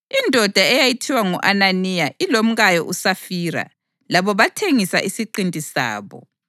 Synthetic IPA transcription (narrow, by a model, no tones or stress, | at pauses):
indʱɔd̥ʱaɛjajitʰiwaŋuʔananijaʔilom̩ɣajɔʔusafiːɾa̰ | laβɔβatʰeŋisa̰ʔisiǃintʼisa̰ːβɔ̰